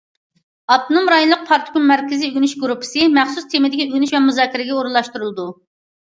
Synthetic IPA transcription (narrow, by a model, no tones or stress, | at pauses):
ɑt̪ʰonomɾɑjonˠʊq̚pʰɑɾt̪ʰo̥ɡunmɛɾkʲɪziyɡʲynyʃɡɾupʰɨ̥sɨmɛχsust̪ʰemɪd̪ɪkʲiøɡʲynyʃvɛmuzɑːkʲːiɾɪɡʲɛoɾunlˠɑʃt̪uɾulˠɨd̪u